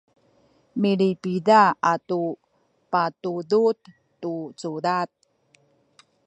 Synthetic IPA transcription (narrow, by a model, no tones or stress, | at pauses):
miɭipidaatu | patudut̪ː | ut͡sudat̪̚